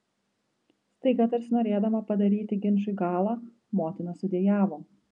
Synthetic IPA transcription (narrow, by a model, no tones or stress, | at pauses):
st̪ɐɪɡɐt̪ɐɾʲsʲnoːɾʲeːd̪ɐmɐpɐd̪ɐɾʲiːt̪ʲɪɡʲɪnʲʃʊiɡɑːlˠɑː | moːt̪ʲɪnɐsʊd̪ʲeɛjæːʋoː